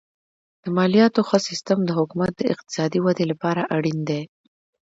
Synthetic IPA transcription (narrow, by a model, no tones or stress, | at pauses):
d̪̥əmɑlijɑt̪oxəsɪst̪əmd̪əɦʊkumat̪̚d̪əɪq̚t̪ɪ̥sɑd̪iwad̪elapɑɾaʔaɽind̪e